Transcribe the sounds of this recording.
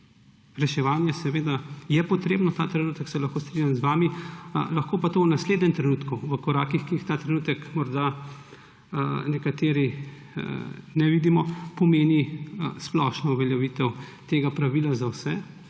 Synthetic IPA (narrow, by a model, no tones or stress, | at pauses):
ɾɛʃɛʋaːnjɛsɛʋeːd̪ajɛpɔt̪ɾeːbnɔt̪aːt̪ɾɛnut̪ɛksɛlɐxkoːst̪ɾinʲjamzʋaːmilɐxkoːpat̪ownasleːd̪nʲɛmt̪ɾɛnuːt̪kuʋəkɔɾaːkixkiixt̪aːt̪ɾɛnuːt̪ɛkmɔɾd̪a | nɛkat̪eːɾi | nɛʋid̪imɔpɔmeːnisplɔʃnɔuʋɛljɛʋit̪ɛwt̪eːɡapɾaʋilazawsɛ